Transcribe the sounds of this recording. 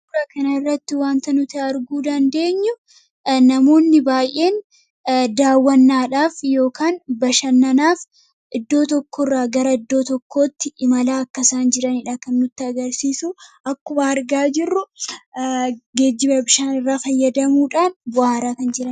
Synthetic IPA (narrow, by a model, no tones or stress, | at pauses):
ʊɾɐkɐnɐɪrːɐt̪ːɪwaːnt̪ɐnʊt̪ɛɐɾɡuːd̪ɐnd̪e̞ːɲːʊ | nɐmo̞ːnːɪbaːjʔe̞ːn | d̪aːwːɐnːaːᶑaːfjo̞ːkaːnbɐʃɐnːɐnaːf | ʔɪd̪ːo̞ːt̪ɔkːɔrːaːɡɐɾɐɪd̪ːo̞ːt̪ɔkːo̞ːt̪ːɪɪmɐlaːɐkːɐsaːnd͡ʒɪɾɐnɪᶑaːkɐnːʊt̪ːɪɐɡɐɾsiːsuʔɐkːʊbɐɐɾɡaːd͡ʒɪrːʊ | ɡe̞ːd͡ʒːɪbɐbɪʃaːnɪrːaːfɐjːɐd̪ɐmuːᶑaːnbʊaːɾaːkɐnd͡ʒɪɾɐn